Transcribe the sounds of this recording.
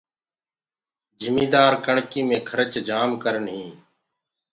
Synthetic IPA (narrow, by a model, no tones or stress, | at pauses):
d͡ʒʱɪmiːd̪aːɾkəɳkiːmẽːkʰəɾət͡ʃd͡ʒaːmkəɾəɳɦĩː